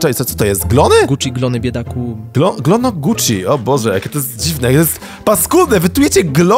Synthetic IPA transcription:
tɛiɔt̪sɔ̥t̪ɔjɛst̪ɡlɔnɘɡut͡ʂiɡlɔnɘbʲjɛd̪akuɡlɔɡlɔnɔɡut͡ʂḭʔɔbɔʐɛjakʲɛt̪ɔjest̪̚d͡ʑivnɛjakɛt̪ɔjest̪ | paskulnɛvɘt̪ujɛt͡ɕɛɡlɔ

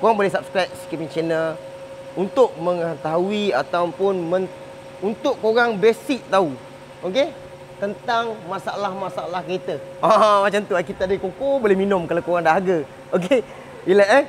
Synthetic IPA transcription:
koɣaŋbolɛhsap̚skɾajp̚si̥kɛpiŋt͡ʃɛnəl | unt̪ʊʔ̚mə̃ŋət̪aɦuiat̪awpʊnmə̃n | unt̪ʊʔkːoɣaŋbesɪk̚t̪au | oke | t̪ənt̪aŋmasaalahmasaalahkɾet̪əʔãmat͡ʃamt̪uakit̪aʔdəkokobolɛhminʊ̃mkalawkoɣaŋdaɦaɡə | oke | iləʔɛ

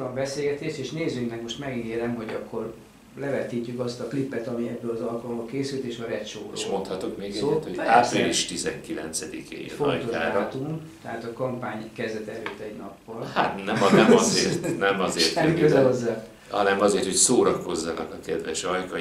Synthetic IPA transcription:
ɾɒmbɛseːɡɛt̪eːʃt̪eːʃneːzyŋknɛkmo̞ʃt̪mɛɡeːɾɛmɦo̞ɟɒkːo̞r | lɛvɛt̪iːcːykɒst̪ɒklipːɛt̪ɒmiɛbːøːlɒzɒlkɒlmbɒkeːsylt̪eːʃɒɾɛt̪ʃoːro̰ʃmo̞nt̪hɒt̪okmeːɡɛt̪hoaːpiliʃt̪izɛŋkilɛ̰nt̪sɛd̪ikḛːj̰foɒ̰j̪oʒaːɾt̪umt̪ɛɦaːt̪ɒkɒmpaːɲkɛzd̪ɛt̪ɛløːt̪ːɛɟnɒpːɒlhat̪nɛmnɛmɒzeːrt̪nɛmɒzeːrt̪ikøzɛɦozːaː | hɒnɛmɒzeːrt̪ho̞csoːɾɒko̞zːɒnɒ̰kɒkɛd̪ʋɛʃɒjkɒ

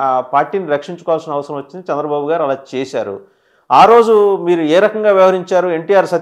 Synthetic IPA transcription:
paːɾʈiːniɾɐkʂiɲt͡ʃukɔːɐlsɐnɐɐʋɐsɐɾɐ̃mʋɐt͡ʃːind̪it͡ʃɛnd̪ɾɐbaːbuɡaːɾiɐlaːt͡ʃɛːsaːɾṵ | aːɾo̞ːd͡ʒumiːɾuɛːɾɐkɐŋɡaːʋjɐʋɐɦɐɾiɲt͡ʃaːɾue̞ɳʈijaːɾsɐ

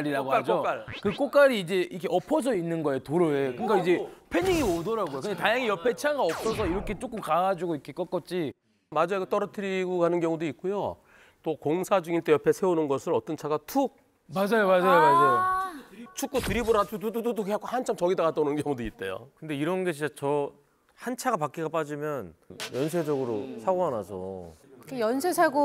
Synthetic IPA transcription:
ɾiɾaɡok͈ad͡ʑok͈aɭkɯk͈ok͈aɾiːd͡ʑe̞ikʰeʔʌpʰʌs̬ʰʌinːɯnɡʌeotoɾoekɯk͈aid͡ʑe̞pʰeɲiɡiodʌɾaɡojokɯndetajaŋijʌpʰe̞t͡ɕʰiaŋɡaʌp̚s͈ʌs̬ʰʌiɾʌkʰe̞t͡ɕ͈ok͈ɯmkaɡad͡ʑuɡoikʰek͈ʌk͈ʌt̚t͡ɕ͈i | mad͡ʑoeɡet͈ʌɾʌtʰɯɾiɡokanɯnkjʌŋudoik̚k͈ujo | t͈okoŋsʰad͡ʑuŋint͈ejʌpʰe̞sʰe̞unɯnɡʌsʰɯɾʌt͈ʌnt͡ɕʰaɡatʰuk̚ | mad͡ʑajomad͡ʑajomad͡ʑajo | t͡ɕʰuk͈̚otɯɾiboɾatʰutʰutʰutʰutʰukʰeak͈ʰohant͡ɕʰamt͡ɕʌɡidaɡat͈ʌnɯnkjʌŋudoit̚t͈e̞̰jo̰kɯnde̞iɾʌnɡe̞ɕʰid͡ʑat͡ɕʌ | hant͡ɕʰaɡapak͈iɡap͈ad͡ʑimjʌnjʌns̬ʰe̞d͡ʑʌɡɯɾosʰaɡoanasʰʌ̰kejʌnsʰesʰaɡo

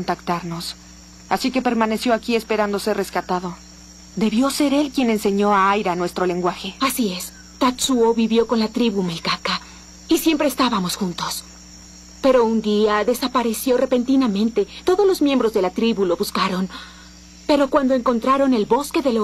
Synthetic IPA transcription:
ont̪akt̪aɾno̞s | asike̞pe̞ɾmane̞sjo̞akie̞spe̞ɾand̪o̞sereskat̪aðo | d̪e̞βjo̞se̞ɾe̞lkje̞nense̞ɲo̞aajɾanwe̞st̪ɾo̞le̞ŋɡwaxe̞asie̞s | t̪at̪suoβiβjo̞ko̞nlat̪ɾiβumelkaka | isje̞mpɾe̞ːst̪aβamo̞sxunt̪o̞s | pe̞ɾo̞und̪iaðe̞sapaɾe̞sjo̞re̞pe̞nt̪inamẽ̞nt̪e̞t̪o̞ðo̞zlo̞zmje̞mbɾo̞zðe̞lat̪ɾiβulo̞βuskaɾo̞n | pe̞ɾo̞kwand̪oeŋko̞nt̪ɾaɾo̞ne̞lbo̞ske̞ðe

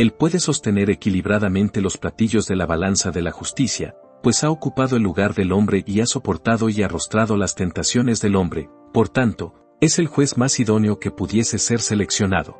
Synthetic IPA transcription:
e̞lpwe̞ðe̞so̞st̪e̞ne̞ɾe̞kiliβɾaðamẽ̞nt̪e̞lo̞splat̪iʝo̞zðe̞laβalansaðe̞laxust̪isja̰ | pwe̞sao̞kupaðo̞elːuɣaɾðe̞lo̞mbɾe̞ʔiaso̞po̞ɾt̪aðo̞iarost̪ɾaðo̞last̪e̞nt̪asjo̞ne̞zðe̞lo̞mbɾe̞ | po̞ɾt̪ant̪o̞ | e̞se̞lxwe̞zmasiðo̞neo̞ke̞puðje̞se̞se̞ɾse̞le̞ksjo̞na̰ðo̞̰

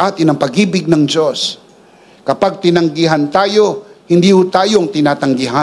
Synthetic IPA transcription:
ʔat̪ɪnɐŋpɐɡiːbɪɡ̚nɐŋd͡ʒo̞s | kɐpaɡ̚t̪ɪnɐŋɡɪɦant̪aːjo̞hɪnd̪iːhʊt̪aːjoŋt̪ɪnaːt̪ɐŋɡɪɦa

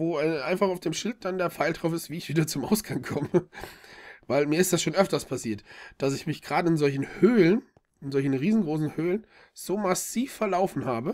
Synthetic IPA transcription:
voːɛʔaɪnfaχaʊfd̥eːmʃɪlt̚d̥andeːɐp͡faɪldʁaʊfɪstv̥iːɪçv̥iːdɐt͡sʊmʔa̰ʊsɡ̥aŋkʰɔmə | vaɪlmiːɐɪstd̥asʃoːnʔœftɐspʰasiːɐtd̥asɪçmɪçɡ̥ʁaːdəɪnzɔlçn̩høːlən | ɪnzɔlçn̩ʁiːzn̩ɡʁoːsn̩høːlən | z̥oːmasiːfːɛɐlaʊfn̩haːbə

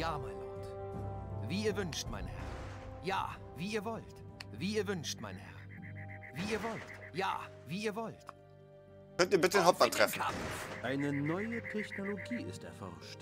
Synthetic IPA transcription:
jaːmaɪnloːt | viːiːɐvʏnʃtma̰ɪnhɛ̰ɐ | ja̰ː | viːiːɐvɔltviːɐvʏnʃtmaɪnhɛ̰ɐviːiːɐvɔltja̰ː | v̥iːiːɐvɔlt | kʰœntiːɐbɪtənhɔp̚matʁ̥ɛfka̰ʔaɪnənɔʏətʰɛçnoloɡiːɪ̰stɛ̰ɐfɔ̰ʁʃt

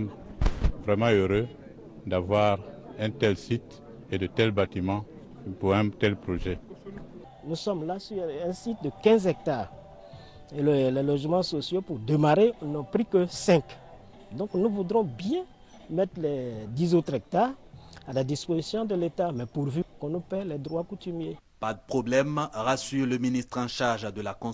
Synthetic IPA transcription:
m | vʁɛmɑ̃øʁø | d̪avwaʁɛ̃t̪ɛlsit̪ | ed̪ət̪ɛlbat̪imɑ̃ | puʁɛ̃t̪ɛlpʁoʒɛ | nusɔmlasyɾɛ̃sit̪̚d̪əkɛ̃zɛk̚t̪aːʁ | ellɛlɔʒmɑ̃sosjopuɾd̪əmaɾenɔ̃pɾikəsɛ̃k | d̪ɔ̃knuvud̪ɾɔ̃bjɛ̃ | mɛt̪ʁlɛd̪izot̪ɾɛk̚t̪aʁalad̪ispozisjɔ̃d̪əlet̪amɛpuʁvykɔ̃nupɛlɛd̪ʁwakut̪ymje | pad̪əpχɔblɛmʁasyʁləminist̪χɑ̃ʃaʁʒd̪əlakɔ̃

